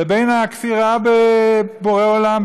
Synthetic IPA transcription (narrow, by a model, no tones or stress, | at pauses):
bejnakfiʁabeboʁeolam